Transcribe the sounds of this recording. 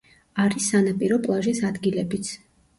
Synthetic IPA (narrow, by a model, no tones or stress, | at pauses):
aɾisanapʼiɾɔpʼlˠaʒisad̪ɡilɛbit̪sʰ